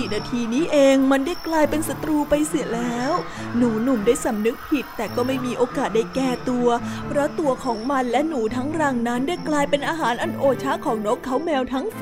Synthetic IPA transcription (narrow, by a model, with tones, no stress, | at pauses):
i˨˩naː˧t̪ʰiː˧niː˦˥ʔeː˧ŋma˧ndaː˥˩jklaː˧jpe˧nsa˧t̪ɾuː˧pa˧jsi˨˩əlɛː˦˥w | nuː˩˦nu˨˩mdaː˥˩jsa˩˦mnɯ˦˥k̚pʰi˨˩t̪ːɛː˨˩kɔː˥˩ma˥˩jmiː˧ʔoː˧kaː˨˩t̪̚daː˥˩jkɛː˧˩t̪u˧ɐpʰɾa˦˥t̪u˧ɐkʰɔː˩˦ŋma˧nlɛ˦˥nuː˩˦t̪ʰa˦˥ŋɾaː˧ŋna˦˥nda˥˩jklaː˧jpe˧nʔaː˧ɦaː˩˦nʔa˧nʔoː˧t͡ɕʰa˦˥kʰɔː˩˦ŋno˦˥kʰːa˦˥wmɛː˧wt̪ʰa˦˥ŋ